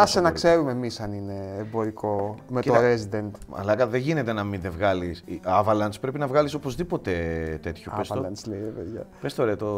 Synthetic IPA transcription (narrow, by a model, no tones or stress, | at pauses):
ɐsenɐkse̞ɾumemisɐnine̞ːbo̞ɾiko̞meeoɾezid̪e̞nt̪ɐ̰lɐkɐðeʝinet̪e̞nɐminðevɣɐlisɐvɐlɐnspɾe̞pinɐvɣɐlisopo̞zðipo̞t̪e̞t̪e̞t̪çopesɐlɐnsleiɾeveðʝɐ̰pest̪oɾet̪o